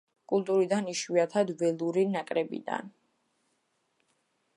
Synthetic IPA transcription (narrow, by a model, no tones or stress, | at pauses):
kʼulˠt̪ʼuɾid̪aniʃwiat̪ʰad̪vɛlˠuɾinakʼɾɛbḭd̪a̰n